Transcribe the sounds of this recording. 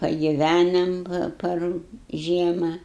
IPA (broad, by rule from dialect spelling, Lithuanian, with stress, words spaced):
pɐɡʲɪˈʋʲænɐm ˈpɐr ˈʒʲiɛmɐ